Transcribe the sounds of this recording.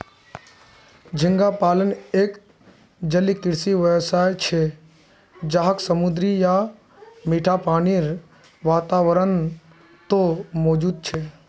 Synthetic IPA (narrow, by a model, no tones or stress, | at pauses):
d͡ʒʱɪŋɡapaːləneːk | d͡ʒəlikɪɾsiʋəsaːjt͡ʃʰe | d͡ʒaɦəksəmʊd̪ɾija | miːʈʰapaːniɾ | ʋaːt̪aːʋəɾən | t̪omɔːd͡ʒuːd̪̚t͡ʃʰeː